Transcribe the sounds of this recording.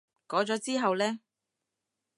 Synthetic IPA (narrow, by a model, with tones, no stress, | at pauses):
kɔː˨˥t͡ʃɔː˨˥t͡siː˥ɦɐ˨wlɛː˥